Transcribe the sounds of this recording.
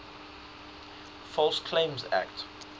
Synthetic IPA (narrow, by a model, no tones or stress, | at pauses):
fɔlskʰlẽɪ̃mzæ̰kt